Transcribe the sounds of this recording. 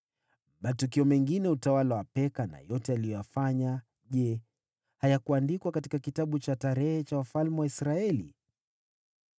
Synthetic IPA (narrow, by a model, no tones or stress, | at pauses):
matukiɔmɛŋɡinɛutawalawapɛkana̰jɔtɛalijɔjafaɲa | ʄɛ | hajakuandikwakati̥kakitaɓut͡ʃataɾɛhɛt͡ʃawafalmɛwaisɾaɛlḭ